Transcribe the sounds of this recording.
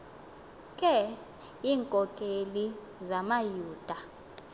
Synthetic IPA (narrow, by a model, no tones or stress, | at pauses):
kʼɛ | iːŋkʼɔkʼeli | zamajuːd̥ʱa